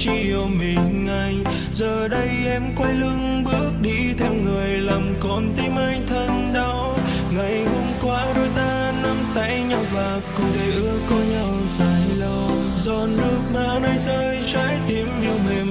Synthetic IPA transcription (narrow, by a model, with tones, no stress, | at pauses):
t͡ɕi˧ | ə˨˩mi˨˩nŋa˨˩j | zəː˨˩ɗə˧jʔɛ˧˥mkwa˧jlɨ˧ŋ | ɓɨ˦˥ək̚ɗi˧t̪ʰɛ˧wŋɨ˨˩əjlaː˨˩mkɔ˧˩nt̪i˧˦ma˧ŋt̪ʰə˧nɗɔ˨˦ | ŋa˨˩jho˧mkwaː˧˥ɗo˧˦jt̪aː˧ | na˧mt̪a̰ː˧˥jɲa˧wvaː˨˩k̚kʊ̰˧˥ŋ͡mt̪ʰe˧˦ʔɨ˧˩əkkːɔ˧˦ɲa˧wzaː˨˩˦jlə˧˩w | zɔ˨˩nnɨ˦˥ək̚maː˨˧˦wna˧jzəː˧jt͡ɕaː˧˦jt̪i˨˦əmɲi˧˩wme˨˩